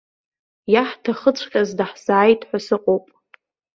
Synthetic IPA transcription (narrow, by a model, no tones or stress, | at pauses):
jaħtʰaχət͡sʷʰχʲʼazdaħsaːjtʰʼħʷasɨqʼowpʼ